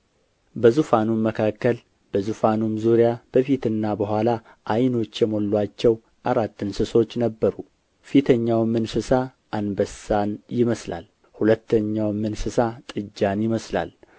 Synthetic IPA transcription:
bəzufanumːəkʰakːəl | b̥əzufanumzuɾjab̥əfit̪ɨnːabəɦʷala | ʔajno̞t͡ʃːjɛmo̞lːat͡ʃːɛw | ʔaɾat̪ːɨnsɨso̞t͡ʃːnəbːəɾu | fit̪ʰəɲːawmɨnsɨsaʔːnbəsanjɪməsla̰l | hulət̪ːəɲːawmːɨnsɨsat̪ʼɨd͡ʒːanjɪməsla̰l

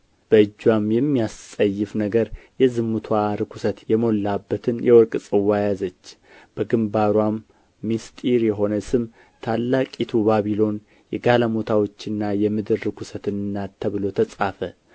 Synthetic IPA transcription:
b̥əɨd͡ʒːwamjɛmːijast̪ʼəjːɨfnəɡəɾjɛzɨmːut̪ʰwaɾɨkʷʰu̥sət̪jɛmo̞lːabːət̪ʰɨnjɛwɔɾkʼsʼɨwajazət͡ʃː | b̥əɡɨmbaɾwamː | ist̪ʼiɾjɛɦo̞nəsɨm | t̪ʰalːakʼit̪ʰubaβilo̞n | jɛɡaləmo̞t̪ʰawo̞t͡ʃːɨnːajɛmɨd̪ɨɾːɨkʷʰusət̪ɨnːat̪ʰːəβɨlo̞t̪ʰəsʼafə

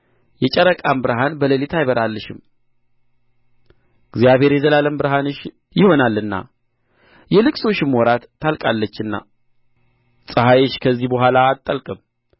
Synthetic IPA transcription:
jɛt͡ʃʼəɾəkʼambɨɾɦanbələlit̪ʰajβəɾalːɨʃɪm | ɨɡzijaβhe̞ɾjɛzəlaləmbɨɾɦanɨʃ | jɪho̞nalːɨnːa̰ | jɛlɨkʼso̞ʃɪmwɔɾat̪ːalkʼalːət͡ʃːɨnːa̰ | sʼəhajeʃkʰəzːihbəɦʷalaːt̪ʼːəlkʼɨm

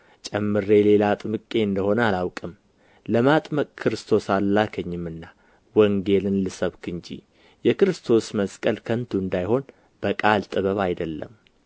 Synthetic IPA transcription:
t͡ʃʼɛmːɨɾe̞le̞lat̪ʼmɨkʼːe̞ɨnd̪əho̞nəalawkʼɨm | ləmat̪ʼməkʼkʰɨɾɨst̪ʰo̞salːakʰəɲːɪmːɨnːa | wəŋɡe̞lɨnlɨsəβkʰɨnd͡ʒḭ | jɛkɨɾɨst̪ʰo̞sməskʼəlkʰənt̪ʰuɨnd̪ajho̞n | b̥əkʼalt̪ʼɨβəβajd̪əlːə̰m

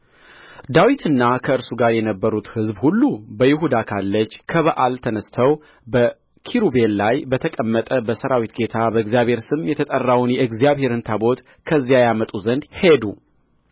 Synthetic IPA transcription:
d̪awit̪ʰɨnːakʰəɨɾsuɡaɾjɛnəbːəɾut̪hɨzbhulːubəjɪɦud̪akʰalːət͡ʃːkʰəβəʔalt̪ʰənəst̪ʰəw | bə | kʰiɾube̞llajbət̪ʰəkʼəmːət̪ʼəbəsəɾawit̪ɡe̞t̪ʰabəɨɡzijaβhe̞ɾsɨmjɛt̪ʰət̪ʼərːawnjɛʔɨɡzijaβhe̞ɾɨnt̪ʰabo̞t̪ | kʰəzijajamət̪ʼuzənd̪he̞d̪u

